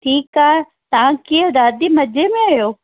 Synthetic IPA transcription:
ʈʰiːkaːɛ | t̪ɐʋãkiəd̪aːd̪imɐd͡ʒʱemẽɐjoː

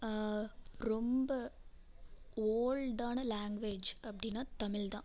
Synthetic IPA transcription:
ɾɔmbɐ | oːlɖaːnɐlaːŋɡʋeːd͡ʒɐpːɐɽɪnːaːt̪ɐmɪld̪ãː

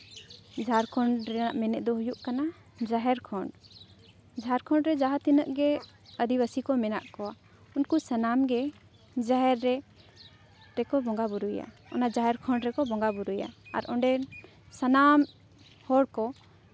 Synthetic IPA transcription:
d͡ʒʱaɾkʰɔɳɖɾɛnaʔmɛnɛ̰ʔ̚d̪ɔɦujuʔkana | d͡ʒaɦɛɾkʰɔɳɖ | d͡ʒaɛɾkʰɔɳɖɾɛd͡ʒaɦat̪inəʔɡɛ | əd̪ibasikɔmɛna̰ʔkɔwa | unkusənamɡɛ | d͡ʒaɦɛɾːɛ | ɾɛkɔbɔŋɡabuɾuja̰ | ɔ̰nad͡ʒaɦɛɾkʰɔɳɖɾɛkɔbɔŋɡabuɾuja̰a̰ɾʔɔɳɖɛ | sənam | hɔɽkɔ

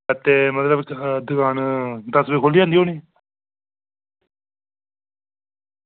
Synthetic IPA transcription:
t̪eːmət̪ləbd̪ʊkʰaːnd̪əsbeːkʰoːliːãːnd̪iːoːniː

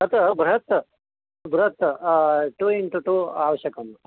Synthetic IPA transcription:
ɐt̪ɐbɾɐɦɐt̪ | bɾɐɦɐt̪ | ʈuiɳʈuʈuaːʋɐɕjɐkɐm

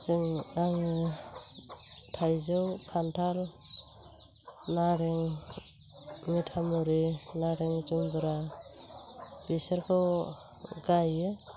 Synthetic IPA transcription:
zɯŋaŋɯ | tʰajzɯwkʰantʰal | naɾeŋ | mitʰamɔɾinaɾeŋd͡ʒumbɯɾa | bisaɾkʰɯw | ɡajɯ

